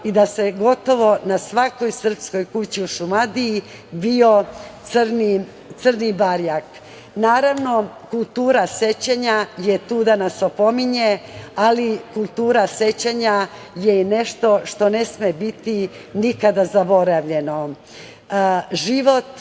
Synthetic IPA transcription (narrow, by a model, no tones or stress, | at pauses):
id̪ase̞ɡo̞t̪o̞ʋo̞nasʋako̞jsr̩psko̞jkut͡ɕiuʃumad̪ii | bio̞t̪srni | t̪sərnibaɾjak | naːɾaʋno̞kulˠt̪uːɾase̞t͡ɕeɲaje̞t̪uːd̪anasopo̞miɲealikulˠt̪uːɾase̞t͡ɕaɲa | jeine̞ʃt̪o̞ʃt̪o̞ne̞smebit̪i | nikad̪azabo̞ɾaʋʎe̞no | ʒiʋo̞t̪